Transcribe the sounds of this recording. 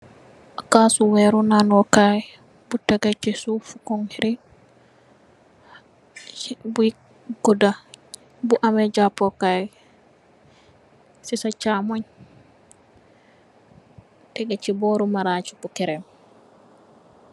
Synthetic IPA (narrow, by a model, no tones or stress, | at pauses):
akasuwɛɾunanɔkaj | butːaɡat͡ʃisufukɔŋhiɾi | bu | ɡɔda | buʔamɛd͡ʒapːɔkaj | sisat͡ʃamɔɲ | tɛɡat͡ʃːibɔɾumaɾat͡ʃi̥kukɛɾɛm